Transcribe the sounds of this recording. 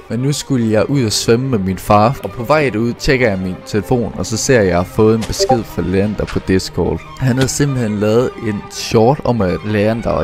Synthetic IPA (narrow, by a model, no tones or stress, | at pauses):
menːusɡ̥uləjɑ̈ɪʔuð̞̰ˠæsʋeməmeminfɑ̈ːʔɒ̽pʰɒ̽ʋɑ̈ɪ̰duð̰ˠt͡ɕʰeɡ̥ɐjɑ̈ɪmint͡sʰe̝ləfo̝̰ːnɒ̽sɒ̽se̝ɐ̰jɑ̈ɪfɔ̽ːð̩ˠenb̥e̝sɡ̥e̝ð̞̰ˠfɑleːɐnd̥ɐpʰɒ̽d̥esɡ̥ʰɒ̰ːl | hænhæð̩ˠsimb̥l̩henlɛːð̞̩ˠe̝nɕɒːd̥ɒ̽m̰æ̥leːɐnd̥ɑ